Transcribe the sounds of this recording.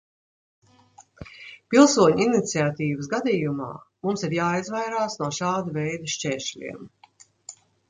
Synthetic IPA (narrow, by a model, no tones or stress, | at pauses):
pilˠsuɔɲuinit̪siat̪iːvəsɡad̪iːjuma̰ːmumsiɾjaːizvajɾaːsnuɔʃaːd̪ɐvɛjd̪ɐʃt͡ʃɛːʃlʲḭɛm